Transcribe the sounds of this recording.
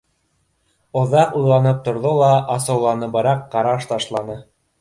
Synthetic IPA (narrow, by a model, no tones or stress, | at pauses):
ŏðɑqujlˠɑnɤp̚t̪ŏɾðolˠɑʔɑsɤ̆wlˠɑnɤbɤɾɑqːɑɾɑʃt̪ɑʃlˠɑnɤ